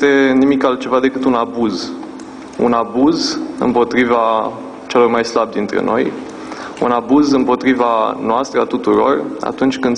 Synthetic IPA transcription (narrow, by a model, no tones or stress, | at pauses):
t̪e̞nimikalt̪̚t͡ʃe̞vad̪e̞kɨt̪unabuz | ṵnabuzɨ̰mpo̞t̪ɾiva | t͡ʃe̞lo̞rmajslab̚d̪int̪ɾḛno̞̰j | ṵnabuzɨmpo̞t̪ɾivanoast̪ɾəat̪ut̪uɾo̞̰ra̰t̪unt͡ʃʲkɨnd̪